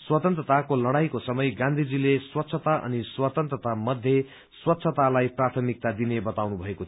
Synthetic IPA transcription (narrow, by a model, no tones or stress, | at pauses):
swʌt̪ʌnt̪rʌt̪akolʌɽ̃ajkosʌmʌjɡãnd̪ʱid͡zileswʌt̪ːsʰʌt̪aʔʌ̰niswat̪ʌnt̪rʌt̪amʌd̪ʱje | swʌt̪ːsʰʌt̪alajprat̪ʰʌmik̚t̪ad̪inebʌt̪awnubʱʌeko